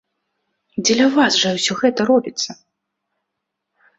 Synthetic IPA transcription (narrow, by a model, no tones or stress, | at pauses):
d͡zʲɛlʲɐvasʐɐwsʲɔɣɛt̪ɐɾɔbʲit̪sːɐ